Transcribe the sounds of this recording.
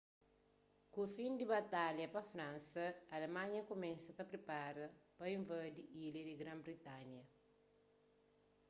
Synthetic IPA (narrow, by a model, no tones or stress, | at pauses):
kufĩnd̪ibɐt̪aljɐpɐfɾãnsɐɐːlemãɲɐkomɛ̃sɐt̪ɐpɾepaɾɐpɐĩɱvɐd̪iilɐdiɡɾãmbɾit̪anjɐ